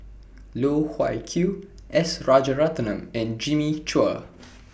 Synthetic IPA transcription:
lohwa̰jkʰjuʔɛsɹɔd͡ʒəɹat̪ənə̃mɛ̃nd͡ʒĩmit͡ʃuə̰

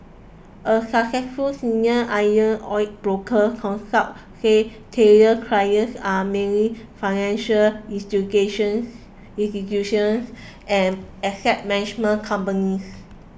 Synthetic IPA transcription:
ʔəsakɛkfusĩnəʔajə̃nɔjt̚bɹokʰəkʰɔ̃nsap̚ | setʰɛɹiəkʰɹajəsamɛɹĩfajnɛ̃nʃəlĩnstiɡeʃə̃ns | ĩsikjuʃə̃ns | ʔɛ̃nɛsɛt̚mɛnid͡ʒmə̃nkʰãmpənis

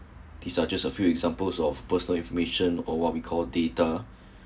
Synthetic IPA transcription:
d̪̥isad͡ʒasəfjuɛɡzãmpəlsɔfpəsənəlĩnfɔmeʃə̃nɔwɔt̚wikʰɔldeta

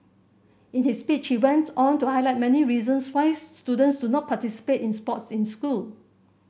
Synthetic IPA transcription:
ĩnhispit͡ʃhiwɛ̃ntʰɔ̃ntuhajlaɪt̚mɛniɹizə̃nswaɪstudə̃ntsdudnɔt̚pʰatisi̥petĩnspɔtsĩnskul

